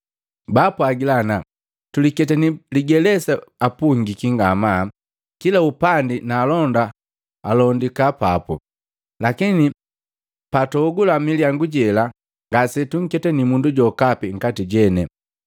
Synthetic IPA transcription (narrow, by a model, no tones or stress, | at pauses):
bapwaɡilana | tulikɛtɛniliɡɛlɛsaapuŋɡikiŋɡama | kilaupandinaːlɔnda | alɔndikapapɔ̰ | lakini | patɔːɡulamiliaŋɡuɟɛla | ŋɡasɛtuŋ̩kɛtɛnimunduɟɔkapiŋ̩katiɟɛnɛ